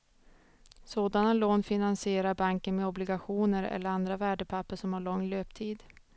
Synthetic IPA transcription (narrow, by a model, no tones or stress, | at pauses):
soːd̪analoːnfɪnansɪeːɾaɾbaŋkənmɛɔblɪɡaɧuːnəɾɛ̰lːəɾand̪ɾavæːɖəpʰapːəʂɔmhaɭɔŋːløːpt̪ʰiːd̪